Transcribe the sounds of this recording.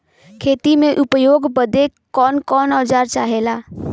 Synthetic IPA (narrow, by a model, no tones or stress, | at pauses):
kʰeːt̪imẽʔʊpjoːɡbəd̪ekɔːnkɔːnɔːd͡ʒaːɾt͡ʃaːɦelaː